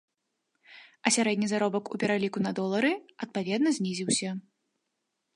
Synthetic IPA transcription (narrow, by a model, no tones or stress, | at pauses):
ɐsʲaɾɛd̪ʲnʲizaɾɔbɐkṵpʲɛɾalʲikunɐd̪ɔlˠɐɾɨɐt̪̚pavʲɛd̪nɐzʲnʲizʲiwsʲɐ